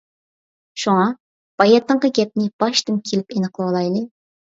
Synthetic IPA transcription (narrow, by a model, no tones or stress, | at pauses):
ʃuŋɑ | b̥ɑjɑt̪ːəɴqɑɡʲɛp̚nɪb̥ɑʃt̪ɨnkʲʰelɪpenɨqlˠɑwlˠɑjlˠɨ